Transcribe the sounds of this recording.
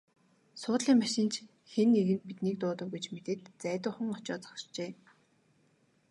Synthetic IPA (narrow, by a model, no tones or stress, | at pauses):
sʊːt̪ɮiːŋmaʃɪ̆nt͡ɕ | xenːeɣɘ̆nt̪̚pit̪niːk̚t̪ʊːt̪ə̆wɡujt͡ɕmet̪eːt̪t͡sæːt̪ʊːχə̆ŋɔt͡ɕɔːt͡sɔ̥ʃt͡ɕeː